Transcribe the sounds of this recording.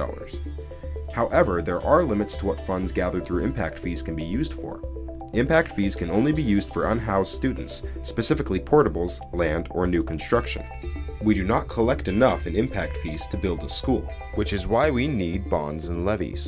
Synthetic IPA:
ɔ̰lˠə̰˞z̥ | haʊʔɛvə˞ðə˞ʔə˞lɪ̃mɨtstʰəwʌtfʌ̃ndzɡæðə˞d̪̚θɹʉɪ̃mpʰæk̚tfiz̥kʰɨ̃n̩bijʉzd̥fə̰˞ | ɪ̃mpæk̚tfiz̥kʰɨ̃nõʊ̃nlibijʉzd̥fə˞ʔə̃nɦaʊsstʉdⁿn̩tspɨsɪfɨklipʰɔɹɾəbl̩ˠz̥ | læ̃ndə̰˞nʉkʰn̩stɹ̥ʌkʃɨ̰̃n | widɨnət̚kʰəlɛk̚tɨnʌfɨ̃nɪ̃mpʰæk̚tfiz̥tʰɨbɪlˠdəskulˠ | wɨt͡ʃɨzwaɪwinid̚bɑ̰̃ndzə̃nlɛvḭz̥

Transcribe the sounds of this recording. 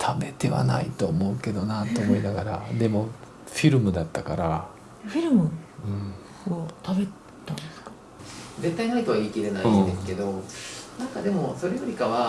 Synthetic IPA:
t̪ʰabe̞t̪e̞βa̰na̰it̪o̞ːmo̞ɯ̟ke̞d̪o̞nat̪ːo̞ːmo̞inaɡaɾa̰d̪e̞mo̞ | ɸʲiɾɯ̟mɯ̟d̪at̪ːakaɾa | ɸʲiɾɯ̟mɯ̟ɯ̟̃ɴ | ot̪abe̞ | t̪ːãnnd̪esɨ̥kḁ | ze̞t̪ːainait̪o̞βaiːk̪iɾe̞naiid̪esɨ̥ke̞d̪o̞nãŋkad̪e̞mo̞so̞ɾejoɾʲikaβa

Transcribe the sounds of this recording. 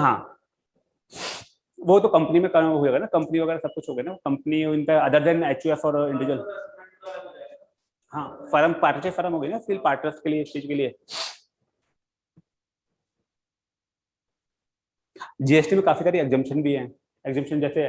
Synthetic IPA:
ɦãː | ʋot̪okɐ̃mpənimẽkɐɦoːd͡ʒeːɡanakɐ̃mpəniʋɐɡɛːɾasɐb̚kʊt͡ʃʰɦoːɡɐinaokɐ̃mpənint̪eɐd̪əɾd̪ɛ̃nɛːt͡ʃuefɔːɾɪ̃ɳɖɪʋɪd͡ʒəl | ɦãːfɐɾəmpaːɾʈəɾt͡ʃefɐɾəmɦoːɡəinafɪlpaːɾʈnəɾsʈkeliest͡ʃiːd͡ʒkelie | ɦad͡ʒiːesʈimẽkaːfisaɾieɡzə̃mpʃənbʱiɦɛ̃ | ekzə̃mʃənd͡ʒɛːseɛ

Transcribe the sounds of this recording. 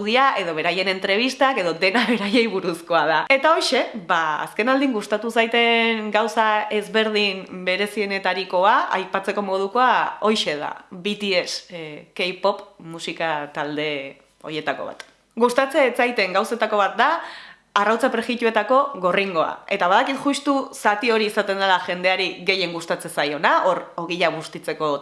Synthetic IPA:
ðiaʔe̞ðo̞βe̞ɾaje̞ne̞nt̪ɾe̞β̞ist̪ake̞ðo̞ðe̞naβe̞ɾaje̞jβuɾusko̞aðae̞t̪ao̞jʃe̞baa̰ske̞nald̪iŋɡust̪at̪usajt̪e̞ŋɡawsae̞zβe̞ɾð̞imbe̞ɾe̞sie̞ne̞t̪aɾiko̞aa̰jpat͡se̞ko̞mo̞ðuko̞ao̞jʃe̞ð̞a̰bit̪ieskejpo̞pmusikat̪ald̪e̞ | o̞̰ɾje̞t̪ako̞̰βa̰t̪ | ɡust̪at͡seːt͡sajt̪e̞ŋɡawse̞t̪ako̞βat̪̚d̪a | arawt͡sapɾeɣit̪ue̞t̪ako̞ɣo̞riŋɡo̞a̰e̞t̪aβaðakit̪ʝust̪usat̪io̞ɾiːsat̪e̞nd̪elaʝe̞nd̪e̞aɾiɣe̞je̞ŋɡust̪at͡se̞sajo̞naʔo̞ɾo̞ɣiʎaɣ̞ust̪it͡se̞ko̞

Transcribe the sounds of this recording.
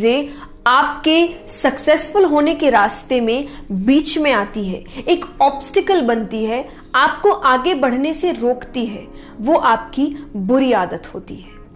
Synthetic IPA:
ze | aːpkesɐksɛːsfʊlɦoːnekeɾaːst̪emẽbiːt͡ʃmẽaːt̪iɦɛ̰ːeːkɔːpsʈɪkəlbɐnt̪iɦɛ | aːp̚koʔaːɡebɐɽ̤neseɾoːkt̪iɦɛː | ʋoʔaːpkibʊɾiaːd̪ət̪hoːt̪ḭɦɛː

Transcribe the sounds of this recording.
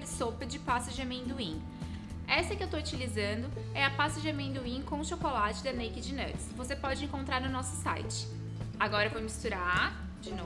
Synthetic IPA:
ɾɪsopɐd͡ʒɪpasɐʒɐmẽd̪uĩ | ɛsɐkɪewt̪out͡ʃilizɐ̃nd̪ʊ | ɛɐpasɐʒɐmẽd̪uĩkõw̃ʊʃokolat͡ʃɪd̪ɐnejkɪd͡ʒɪno̰ɾt͡ʃɪsvosepɔd͡ʒɪẽŋkõnt̪ɾaɾnʊnɔsʊ̥sa̰jt͡ʃɪ̥ | aɡɔɾɐvõm̃mist̪uɾa | d͡ʒɪno

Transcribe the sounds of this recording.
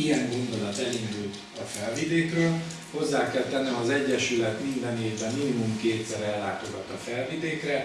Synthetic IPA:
ijɛŋɡo̞nd̪o̞lɒt̪ɛlind̪ult̪ | ɒfɛlvid̪eːkrøːl | ho̞zːaːkɛlt̪ɛnːɛmɒzɛɟːɛʃylɛt̪mind̪ɛneːvbɛminimumkeːt̪sɛɾɛlːaːt̪o̞ɡɒt̪ɒfɛlvid̪eːkrɛ

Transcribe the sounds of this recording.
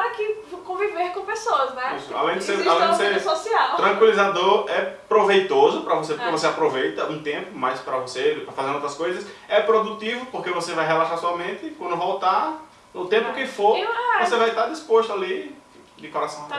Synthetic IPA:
akɪkõviveɾkõpesoɐznɛisʊa̰lẽj̃d̪ɪsealẽj̃d̪ɪsesosiawt̪ɾɐ̃kwilizad̪oɾɛpɾovejt̪ozʊpɾɐvosepoɾkevoseapɾovejt̪ɐũt̪ẽpʊmajspɾɐvosepɾɐfazẽnd̪owt̪ɾɐskojzɐsɛpɾod̪ut̪ivʊpoɾkevosevajɦɛlaʃaɾsɔmẽt̪ɪkwɐ̃nd̪ʊvɔwt̪a | ʊt̪ẽmpʊkɪfoɾ̃vosevajt̪ad̪ispoʃt̪ʊali | d̪ɪkoɾasɐ̃w̃

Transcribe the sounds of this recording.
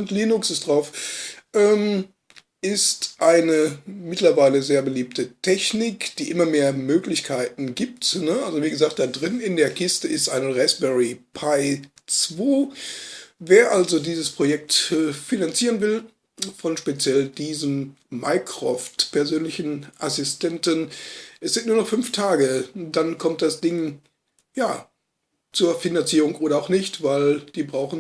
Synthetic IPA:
ʊntliːnʊksɪstd̥ʁaʊfʔɛːm | ʔɪstʔaɪnəmɪtlɐvaɪləzeːɐbəliːp̚tʰətʰɛçnɪkd̥iːʔɪmɐmeːɐmøːklɪçkʰaɪtn̩ɡiːp̚tnəʔalzoviːɡəzaːχkt̚d̥adʁɪnɪndeːɐkʰɪstəɪstʔa̰ɪnəʁɛsbɛʁipʰaɪ | t͡sv̥oː | veːɐʔalzodiːzəspʁ̥ojɛk̚tːfinant͡siːʁənvɪl | fɔnʃpet͡sjɛldiːzəmː | aɪkʁ̥ɔftpʰɛɐzøːnlɪçn̩ʔasɪstʰɛntənʔɛsz̥ɪnt̚nuːɐnɔχfʏnftʰaːɡəd̥ankʰɔmt̚d̥asd̥ɪŋ | jaː | t͡suːɐfinant͡siːʁʊŋʔoːɾɐaʊxnɪçtv̥aɪld̥iːbʁaʊxn̩

